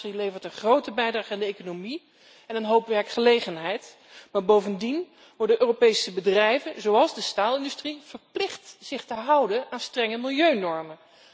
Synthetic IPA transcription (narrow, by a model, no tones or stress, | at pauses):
rilejvəɹtənχrowtəbɛjdraːχəandəejkonomi | ɛnənɦowpʋɛɹkχəlejχənɦɛjt | maːɹbowvəndin | ʋɔɹdənʔøːropejsəbədrɛjvənzowɑlˠzdəstaːlˠɪndystriv̥əɹplɪχtz̥ɪχtəɦʌwdənaːnstrɛŋəmɪlˠjøɥnɔɹmə